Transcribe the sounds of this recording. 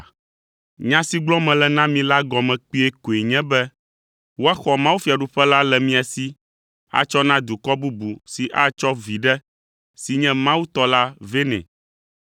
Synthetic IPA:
ɲã˦si˦ɡ͡blɔ̃˦mɛ̃˨lɛ˨nã˦mĩ˨˦la˦ɡɔ˨mɛ̃˨k͡pi˦ɛ˦ko˨e˨ɲɛ̃˦bɛ˦ | wo˦a˦xɔ˨mã˦wu˦fi˨a˨ɖu˦ɸɛ˦la˦lɛ˨mĩ˦a˨si˦ | a̰˨t͡ʃɔ˦nã˦d̪u˨kɔ˦bu˦bu˨si˨ʔa˦t͡ʃɔ˦vi˨ɖɛ˦ | si˨ɲɛ̃˦mã˦wu˦t̪ɔ˦la˦ve˦nɛ̰̃˨

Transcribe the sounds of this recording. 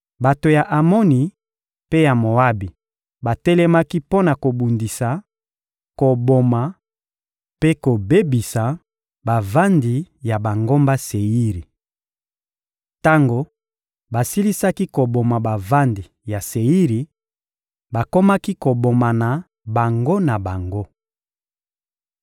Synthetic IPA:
ba˨to˨ja˨ʔa˨mo˦ni˨ | pe˦ja˨mo˨a˦bi˨ | ba˨tɛ˦lɛ˦ma˦ki˦po˦na˨ko˨bu˨ndi˨sa˨ | ko˨bo˨ma˨ | pe˦ko˨be˦bi˨sa˨ | ba˨va˦ndi˨ja˨ba˨ŋɡo˦mba˦se˨i˦ʁi˨ | ta˦ŋɡo˨ | ba˨si˦li˦sa˦ki˦ko˨bo˨ma˨ba˨va˦ndi˨ | ja˨se˨i˦ʁi˨ | ba˨ko˦ma˦ki˦ko˨bo˨ma˨na˨ | ba˨ŋɡo˦na˨ba˨ŋɡo˦

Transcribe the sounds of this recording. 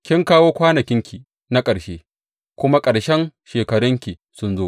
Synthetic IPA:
kʲɪ˦ŋkaː˦woː˦kʷaː˦nɐ˨kʲɪ˦ŋkʲʰi˨ | na˦kʼɐ˨ɽʃeː˦ | kʷʊ˦ma˦kʼɐ˨ɽʃɛ˦ŋʃeː˨kɐ˨ɽʊ˦ŋkʲi˨ | sʊ˦nzoː˦

